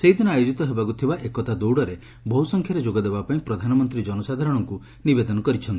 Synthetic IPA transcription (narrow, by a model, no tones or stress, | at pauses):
seɦid̪ʱinɔajod͡ʒit̪ɔɦebakut̪ʰibaʔekɔt̪ʰad̪owɽɔɾe | bʱɔɦusɔŋkʰjaɾed͡ʒoɡɔd̪ebapaĩpɾɔd̪ʱanɔmɔnt̪ɾid͡ʒɔnɔsad̪ʱaɾɔɽ̃ɔŋku | nibed̪ɔnɔkɔɾit͡ʃʰɔnt̪ii̥